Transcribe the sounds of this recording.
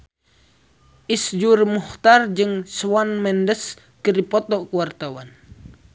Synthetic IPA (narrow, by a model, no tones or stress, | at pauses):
ʔisd͡ʒurmuht̪ard͡ʒɨŋswanmɛndəs | kəɾipɔt̪ɔkuwart̪awan